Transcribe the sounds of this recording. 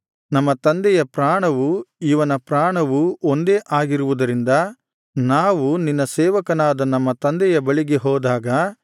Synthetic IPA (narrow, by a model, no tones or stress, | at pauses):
nɐmːɐt̪ɐnd̪ɛjɐpɾaːɳɐʋuiʋɐnɐpɾaːɳɐʋuond̪eːʔaːɡiɾuʋud̪ɐɾind̪ɐ | naːʋuninːɐsɛːʋɐkɐnaːd̪ɐnɐmːɐt̪ɐnd̪ɛjɐbɐɭiɡe̞ɦɔːd̪aːɡɐ